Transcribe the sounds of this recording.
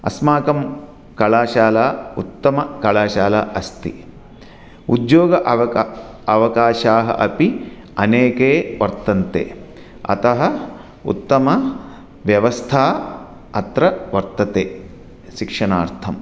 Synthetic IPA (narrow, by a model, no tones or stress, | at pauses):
ɐ̰smaːkɐm | kɐɭaːʃaːlaːut̪ːɐmɐkɐɭaːʃaːlaːʔɐst̪ḭ | ud̪joːɡɐʔɐ | ɐʋɐkaːʃaːɦɐ̰ʔɐpi | ɐneːkeːʋɐɾt̪ɐnt̪ḛː | ɐ̰t̪ɐɦɐ | ṵt̪ːɐmɐ | ʋjɐʋɐst̪ʰaː | ɐt̪ɾɐʋɐɾt̪ɐt̪eː | ʃikʂɐna̰ːɾt̪ʰɐm